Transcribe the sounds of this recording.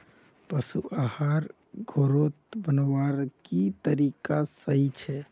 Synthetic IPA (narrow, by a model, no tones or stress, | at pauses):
pəsuʔahaɾ | ɡʱoɾot̪bənʋaɾkit̪əɾikasəɦit͡ʃʰɛ